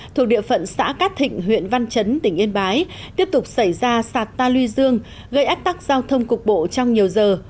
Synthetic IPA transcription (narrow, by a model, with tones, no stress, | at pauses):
t̪ʰu˨˩k̚ɗḭ˧˨əfə̰˧˨nsa̰ː˧˥kaː˦˥t̚t̪ʰḭ̈˧˨ŋ̟ɦwḭ˧˨ənva˧nt͡ɕə˨˦nt̪ï˨˩ŋ̟ʔi˧nɓaː˨˦j | t̪i˦˥əp̚t̪ʊ˨˩k͡p̚sa˧˩jzaː˧saː˨˩t̚t̪aː˧lwi˧zɨ˧əŋ | ɣə˧jʔaː˦˥k̚t̪a˦˥k̚z̥aː˧wt̪ʰə˧wŋ͡mkʊ˨˩k͡p̚ɓo̰˧˨t͡ɕɔ˧wŋ͡mɲi˨˩əwzəː˨˩